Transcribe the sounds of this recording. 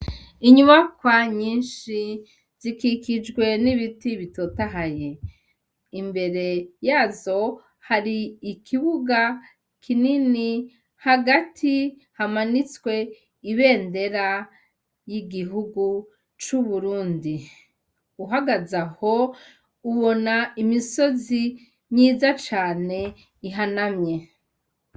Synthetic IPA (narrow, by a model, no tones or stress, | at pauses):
iɲuβakwaɲiːnʃi | z̥ikikid͡ʒɡwe̞niβitiβito̞taɦaje̞ | imbe̞ɾe̞jaːzo̞ | haɾiːkʰiβuɡa | kʰinini | haɡatʰi | hamanit͡swe̞ | iβe̞ːnde̞ɾa | jiɡiɦuɡu | t͡ʃuβuɾuːndi | uɦaɡazaho̞ | uβo̞naimiso̞zi | ɲiːzat͡ʃaːne̞ | iɦanamɲe̞